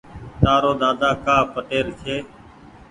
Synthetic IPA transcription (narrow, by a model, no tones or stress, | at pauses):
t̪aːɾoːd̪aːd̪aːkaːpəʈeːɾt͡ʃʰeː